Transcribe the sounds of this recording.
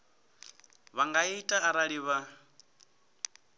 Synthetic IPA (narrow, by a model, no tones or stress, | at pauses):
βaŋɡaiitʼaaɾaɺiβa